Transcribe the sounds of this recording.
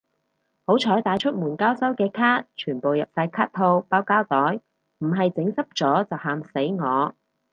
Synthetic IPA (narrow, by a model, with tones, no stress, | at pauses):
ho˨˥wt͡ʃʰɔː˨˥jt̪aː˨˥jt͡ʃʰɵ˥t̚muː˨˩nkaː˥wsɐ˥wkɛː˧kʰaː˥t̚t͡ʃʰyː˨˩npo˨wjɐ˨p̚saː˧jkʰaː˥t̚t̪ʰo˧wpaː˥wkaː˥wt̪ɔː˨˥j | m̩˨˩ɦɐ˨jt͡sɪ˨˥ŋsɐ˥p̚t͡ʃɔː˨˥t͡sɐ˨whaː˨mse˨˥jŋɔː˨˧